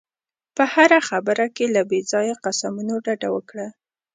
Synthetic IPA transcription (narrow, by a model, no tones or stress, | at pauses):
pəhaɾaxabəɾakelabezɑjaqasamunoɖaɖawəkɽa